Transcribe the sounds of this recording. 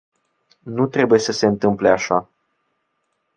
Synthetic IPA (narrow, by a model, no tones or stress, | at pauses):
nut̪ɾe̞buje̞səse̞ɨnt̪ɨmple̞aʃa